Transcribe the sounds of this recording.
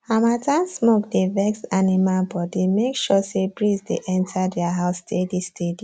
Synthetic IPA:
amatãnsmok̚devɛkstanimalbɔdimekʃɔsebɹizdḛʔɛ̃ntʰadɛaɦaʊstʰedistʰedi

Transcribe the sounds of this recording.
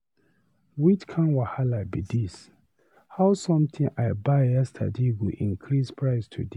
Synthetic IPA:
wit͡ʃkʰãnwahalabidis | haʊsɔ̃mt̪ʰĩŋʔaɪbaɪjɛstʰa̰dewiʔḭ̃ŋkʰɾispʰɹaɪstʰṵde

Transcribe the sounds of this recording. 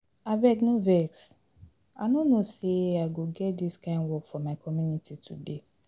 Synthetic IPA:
abɛɡnovɛks | anonoseaɪɡoɡɛt̚diskãɪ̃nwɔkfɔmaɪkʰɔmjunitʰitʰṵde

